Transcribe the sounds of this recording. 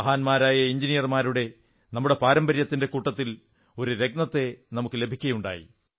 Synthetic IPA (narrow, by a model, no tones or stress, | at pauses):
ɐɦaːnmaːɾaːjɐiɲd͡ʑinijɐrmaːɾuɽe̞ | nɐmːuɽe̞paːɾɐmbɐɾjɐt̪ːinde̞kuːʈːɐt̪ːil | o̞ɾuɾe̞ɡ̚nɐt̪ːe̞nɐmukːɨle̞bʱikʲːɐjuɳɖa̰ːjḭ